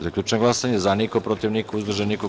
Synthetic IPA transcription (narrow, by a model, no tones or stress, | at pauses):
zakʎʲuːt͡ʃenoɡlˠasaɲezanikopɾot̪iʋnikuuzbr̩ʒeniko